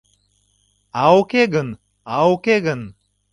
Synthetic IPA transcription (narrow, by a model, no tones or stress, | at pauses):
awkeɡən | awkeɡən